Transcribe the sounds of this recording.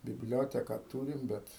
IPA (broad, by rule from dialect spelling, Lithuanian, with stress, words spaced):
bʲɪbʲˈlʲoːtʲɛkɐ ˈtuːrʲɪm ˈbʲɛt